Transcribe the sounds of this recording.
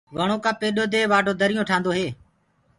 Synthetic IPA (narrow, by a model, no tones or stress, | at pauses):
ʋəɳ̃oːkãːpeːɗoːd̪eːʋaːʈoːd̪əɾɪjõːʈʰaːnd̪oːɦeː